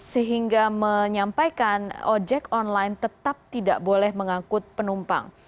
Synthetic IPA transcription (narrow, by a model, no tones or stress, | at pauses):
səɦiŋɡaməɲampajkanɔd͡ʒɛkɔnlajnt̪ət̪ap̚t̪ida̰ʔbolɛhməŋakʊt̪̚pənumpa̰ŋ